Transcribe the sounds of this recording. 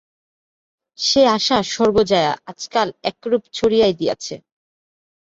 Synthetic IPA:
ʃeaʃaʃɔɾbod͡ʑaea̰ad͡ʑkalɛkɾubt͡ɕʰoɾijajd̪ija̰t͡ɕʰḛ

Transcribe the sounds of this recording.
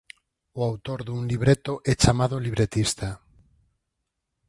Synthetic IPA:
ʊawt̪oɾðuŋliβɾet̪oʔɛt͡ʃamaðoliβɾet̪ist̪a

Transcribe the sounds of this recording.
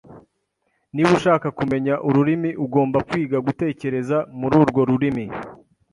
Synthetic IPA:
niβuʃaːkakume̞ɲaʔuɾuɾimiʔuɡo̞ːmbakwiːɡaɡute̞ːce̞ɾe̞zamuɾuːɾɡo̞ɾuɾimi

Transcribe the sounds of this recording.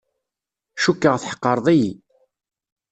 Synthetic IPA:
ʃukːəʁθħə̥qːəɾˤðˤiji

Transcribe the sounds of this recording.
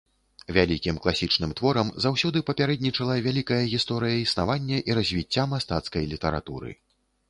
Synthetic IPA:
vʲalʲikʲimklˠasʲit͡ʂnɨmt̪vɔɾɐmzawsʲɔd̪ɨpɐpʲaɾɛd̪ʲnʲit͡ʂɐlˠɐvʲalʲikɐjɐɣʲist̪ɔɾɨjɐisnavanʲːɐʔiɾɐzʲvʲit͡sʲːamast̪at̪skɐjlʲit̪ɐɾa̰t̪uɾɨ̰

